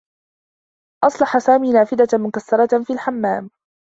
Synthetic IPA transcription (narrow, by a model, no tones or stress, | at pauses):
ʔɑsˤlɑħasaːmiːnaːfɪd̪amʊkasːɑɾˤɑfiːlħamːaːm